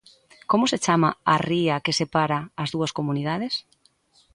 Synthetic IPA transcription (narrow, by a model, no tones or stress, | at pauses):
komʊset͡ʃamaariɐkesepaɾaːzðuɐskomuniðað̞es